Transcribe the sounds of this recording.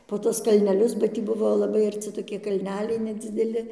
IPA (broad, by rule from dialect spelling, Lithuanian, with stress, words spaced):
poː ˈtuɔs kɐlʲnʲɛˈlʲʊs bɐ ˈtʲiː ˈbʊʋoː lˠɐˈbɐɪ ɐrʲˈt͡sʲɪ toːˈkʲɪ kɐlʲˈnʲæːlʲɛɪ nʲɛd͡zʲɪdʲɛˈlʲɪ